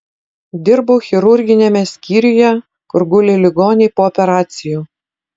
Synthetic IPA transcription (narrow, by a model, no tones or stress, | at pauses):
d̪ʲɪɾboʊxʲɪɾʊɾʲɡʲɪnʲemʲɛsʲkʲiːɾʲɪjɛ | kʊɾɡʊlʲelʲɪɡoːnʲɛɪpoːɔpʲɛɾɑːt̪sʲɪjuː